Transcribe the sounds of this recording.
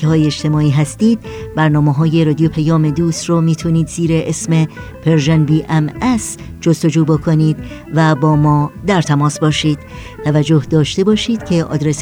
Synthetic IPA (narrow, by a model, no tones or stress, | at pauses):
eɦɒːjeeʃt̪ʰe̞mɒːiːɦæst̪iːd̪̥̚bæɾnɒːmeɦɒːje̞ɾɒːd̪ijopʰæjɒːme̞d̪uːst̪rɔːmiːt̪ʰuniːd̪ziːɾeʔesmepʰeɾʒænbiːʔæmæs | d͡ʒost̪o̞d͡ʒuːbokʰo̞niːd̪ | væbɒːmɒːd̪æɾt̪ʰæmɒːsbɒːʃiːd̪̥ | t̪ʰævæd͡ʒːo̞hd̪ɒːʃt̪e̞bɒːʃiːd̪̥cʰe̞ʔɒ̰ːd̪ɾes